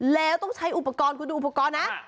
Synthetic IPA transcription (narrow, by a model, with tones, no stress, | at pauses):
lɛː˧wt̪o˧ŋsʰa˧jʔu˧pːa˨kɑː˧nku˧nɨ˧ʔu˧pːa˩kɑː˧naː˧˥